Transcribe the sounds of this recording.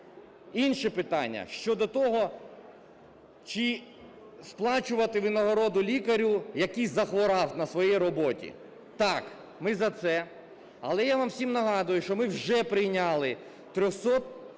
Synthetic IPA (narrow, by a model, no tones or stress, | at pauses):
inʃɛpɪt̪ɑnʲːɐ̰ʃt͡ʃɔd̪ɔt̪ɔɦɔ | t͡ʃɪ | splˠɑt͡ʃʊʋɐt̪ɪʋɪnɐɦɔɾɔd̪ʊlʲikɐɾʲujɐkijzɐxʋɔɾɑwnɐsʋɔjɛjɾɔbɔtʲḭ | t̪ɑk | mɪzɐt̪sɛ | ɐlˠɛjaʋɑmsʲimnɐɦɑd̪ʊjʊʃt͡ʃɔmɪwʒɛpɾɪjnʲalˠɪ | t̪ɾʲɔxsɔt̪̚